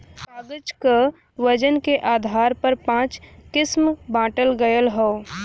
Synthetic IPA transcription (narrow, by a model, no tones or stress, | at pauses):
kaːɡət͡ʃka | ʋəd͡ʒənkeʔaːd̪ʱaːɾpəɾpãːt͡ʃkɪsmbãːʈəlɡəjəlɦo